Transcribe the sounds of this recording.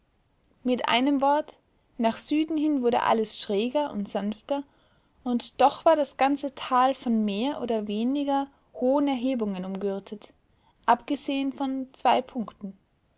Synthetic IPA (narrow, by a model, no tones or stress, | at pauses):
mɪtʔa̰ɪnəmvɔɐt | naːχz̥yːdn̩hɪnvʊɐdə̰ʔa̰ləsʃʁ̥ɛːɡɐʔʊ̰ntz̥anftɐ | ʔʊntd̥ɔχv̥aːɐdasɡ̥ant͡sətʰaːlfɔnmeːɐʔo̰ːdɐveːnɪɡɐ | hoːənɛɐɦeːbʊŋənʊmɡʏɐtʰət | ʔapɡ̥əzeːənfɔnt͡sv̥aɪpʰʊŋktn̩